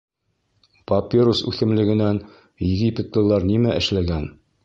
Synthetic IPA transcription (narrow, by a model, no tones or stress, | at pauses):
pɐpʲeɾosʉ̰θɘ̆mlɘ̆ɡɘ̆næn | jɘɡʲipʲet̪lˠɤ̆lˠɑɾnimæʔɘ̆ʃlæɡæn